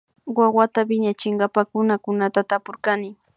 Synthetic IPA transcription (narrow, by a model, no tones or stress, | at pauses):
wawat̪apɪɲat͡ʃɪɴɢɑpakʊnakʊnat̪at̪apoɾkanɪ